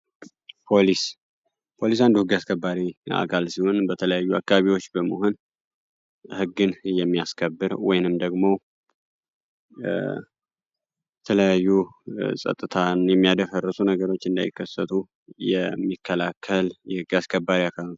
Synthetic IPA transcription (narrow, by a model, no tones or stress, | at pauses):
pʰolis | pʰo̞lisand̪uhɨɡaskʰəbːaɾia̰kʰalsiho̞nbət̪ʰələjajːua̰kːaaβiwo̞t͡ʃːbəməɦo̞n | hɨɡːɨnjɛmːijaskʰəbːɨɾwɔjnɨmd̪əɡmo̞ | jɛt̪ʰələjajːusʼə̰t̪ʼːɨt̪ʰanjɛmːijad̪əfərːɨsunəɡəɾo̞t͡ʃːɨnd̪a̰jɪ̰kʰːəsːət̪ʰu | jɛ̰mːikʰːəlakʰːəljɛhɨɡaskʰəbːaɾiakʰal